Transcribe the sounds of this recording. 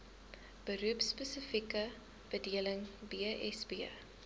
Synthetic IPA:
b̥əɾuəpspəsəfikə | b̥ədiələŋbiəɛ̰sbiə

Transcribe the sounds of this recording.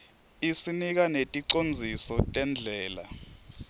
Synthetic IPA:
isinik̬anetʼiǀond͡zʱisɔtʼɛnd͡ɮʱɛːla̰

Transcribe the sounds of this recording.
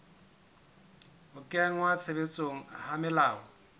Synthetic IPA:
ʊkʼɛaŋ̩wat͡sʰebet͡sʼoŋ̩hamɪlaːɔ

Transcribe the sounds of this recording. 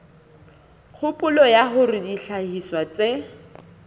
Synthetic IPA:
k͡xʰʊpʼʊlɔjaɦʊrɪdiɬahiswat͡sʼe

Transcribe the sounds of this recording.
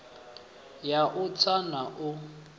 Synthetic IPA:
jaʔʊt͡sʰanaʔʊ

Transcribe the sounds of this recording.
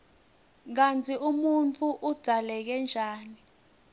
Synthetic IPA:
k̬ant͡sʰʼiʔumunt͡fʰʼuʔud̥ʱalɛk̬ɛnd͡ʒʱaːni

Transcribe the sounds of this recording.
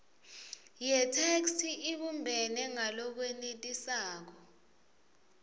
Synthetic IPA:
jɛtʰekstʰiiɓumbʱɛnɛŋalɔk̬wenitʼisaːk̬ɔ

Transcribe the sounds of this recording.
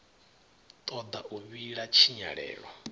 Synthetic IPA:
t̪ʼɔd̪aʔuβiɺat͡ʃʰiɲa̰ɺɛ̰ːɺwa

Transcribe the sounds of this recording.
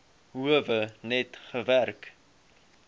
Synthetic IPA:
ɦuəvənɛtχəværk

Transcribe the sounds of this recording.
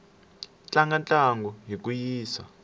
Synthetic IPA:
t͡ɬʼaŋɡant͡ɬʼaŋɡɔɦikujiːsa̰

